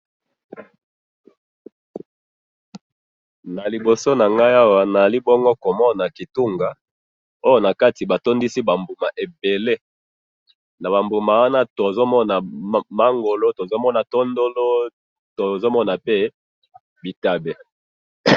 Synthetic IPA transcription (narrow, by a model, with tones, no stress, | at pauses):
na˨li˨bo˨so˦na˨ŋɡa˦ja˦wa˨˦na˨li˦bɔ˦ŋɡo˦ko˨mɔ˦na˨ki˨tu˦ŋɡa˨ | o˦jo˦na˨ka˦ti˨ba˨to˦ndi˦si˦ba˨mbu˨ma˨ʔe˨be˨le˦ | na˨βa˨mbu˨ma˨wa˦na˦to˨zo˦mɔ˦na˨ma˦ŋɡo˨lo˦to˨zo˦mɔ˦na˨to˦ndo˦lo˦ | to˨zo˦mɔ˦na˨pe˦ | bi˨ta˨be˨